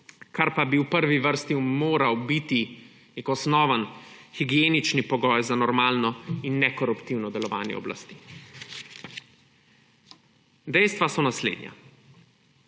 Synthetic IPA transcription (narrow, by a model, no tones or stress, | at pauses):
kaɾpabiwpəɾʋiʋəɾst̪imoːɾawbit̪i | nekɔsnɔːʋənxiɡijeːnit͡ʃnipɔɡɔːjzanɔɾmaːlnɔinːɛkɔɾupt̪iwnɔd̪ɛlɔʋa̰ːnjɛ̰ɔ̰bla̰st̪i̥ː | d̪ɛjst̪ʋasɔnaslḛːd̪nja̰